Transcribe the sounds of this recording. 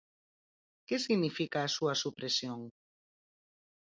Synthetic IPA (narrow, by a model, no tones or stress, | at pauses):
kesiɣnifikaːsuɐsupɾesjoŋ